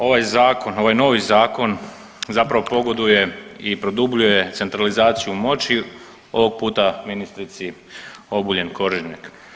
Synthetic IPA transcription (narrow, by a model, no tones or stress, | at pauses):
o̞ʋajzaːko̞no̞ʋajno̞ːʋizaːko̞n | zapɾaʋo̞po̞ɡo̞d̪uje̞ipɾo̞d̪ubʎuje̞t̪se̞nt̪ɾalizaːt̪sijumo̞t͡ɕi | o̞ʋo̞ɡ̚puːt̪aminist̪ɾit̪si | o̞buʎe̞nkʰo̞ɾiʒɲak